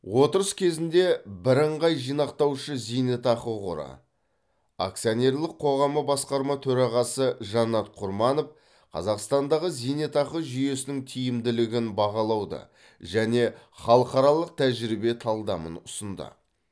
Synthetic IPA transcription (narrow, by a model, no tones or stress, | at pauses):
wo̞t̪əɾəskʲʰezɪnd̪e̞bɪɾəɴʁɑjʒijnɑqt̪ɑwʃəzijnet̪ɑqəʁʊ̰ɾə̰ | a̰k̚t̪sijone̞ɾlˠəqʰːo̞ʁɑməbɑsqɑɾmɑt̪ʰɵɾɑʁɑsəʒɑnɑt̪qʰʊɾmɑno̞f | qʰɑ̰zɑqst̪ɑnd̪ɑʁəzijnet̪ɑqəʒʏje̞sɪnɪŋt̪ʰijɪmd̪ɪlɪɡʲɪnbɑʁɑlˠɑwd̪ə̰ | ʒæne̞χɑlˠəqɑɾɑlˠəq̚t̪ʰæʒɪɾibe̞t̪ʰɑlˠd̪ɑmə̰nʊsənd̪ə̰